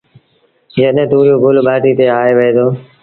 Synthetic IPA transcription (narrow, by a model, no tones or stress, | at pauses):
d͡ʒəɗ̃t̪ũːɾjũːɡʱʊlɓaːʈiːt̪eːaːeːʋəeːd̪oː